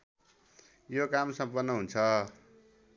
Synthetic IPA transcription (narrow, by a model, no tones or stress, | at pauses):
jokamsʌmpʌnːʌɦunt͡sʰʌ